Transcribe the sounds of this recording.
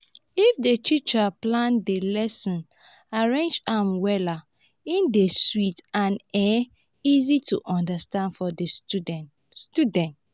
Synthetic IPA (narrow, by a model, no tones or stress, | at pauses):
ifdetʰit͡ʃaplãndelɛsɔ̃n | aɹẽnd͡ʒãmwɛla | ĩndeswitãnɛ | izitʰuʔɔ̃ndastãndfɔde | studɛ̃nt